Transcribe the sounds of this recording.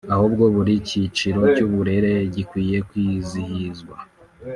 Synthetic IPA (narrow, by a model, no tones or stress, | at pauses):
ahubɡo̞βuɾicit͡ʃiɾo̞cuβuɾe̞ɾe̞ɟikwiːje̞kwiːzihizɡwa